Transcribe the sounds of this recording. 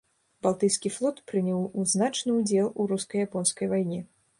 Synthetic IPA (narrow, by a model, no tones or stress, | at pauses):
b̥alˠt̪ɨjskʲiflˠɔt̪pɾɨnʲɛwuznat͡ʂnɨud͡zʲɛlˠuɾuskɐjapɔnskɐjvajnʲɛ